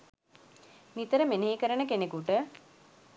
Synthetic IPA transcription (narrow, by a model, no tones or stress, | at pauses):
mit̪əɾəmeneːkəɾənəkenekuʈə